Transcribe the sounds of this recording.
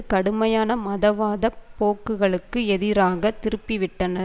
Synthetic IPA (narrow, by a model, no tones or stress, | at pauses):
kɐɽɯmɐjaːnɐmɐðɐʋaːðɐpoːkːɯɣɐɭɯkːɯɛðɪɾaːɣɐt̪ɪɾɯpːɪʋɪʈːɐnɐ